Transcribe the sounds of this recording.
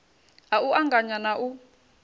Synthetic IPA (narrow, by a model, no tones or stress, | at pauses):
auʔaŋɡʱaɲanaʔu